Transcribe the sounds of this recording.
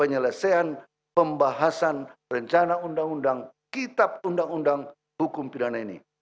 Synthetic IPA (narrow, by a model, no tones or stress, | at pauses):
pəɲələsaan | pəmbaɦasanrəɲt͡ʃanaundaŋundaŋ | kit̪ap̚undaŋundaŋ | hukʊmpidanainḭ